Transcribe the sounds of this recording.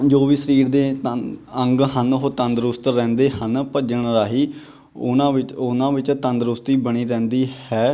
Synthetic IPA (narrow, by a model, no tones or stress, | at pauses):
d͡ʒoːʋiːsəɾiːɾd̪eː | ə̃ŋɡɦənɦoːt̪ənd̪ɾʊst̪ɾɛ̃ːnd̪eːɦənpəd͡ʒəɳɾaːɦiː | ʊnãːɪʊnãːʋɪt͡ʃt̪ənd̪ɾʊst̪iːbəɽiːɾɛ̃ːnd̪iːhɛː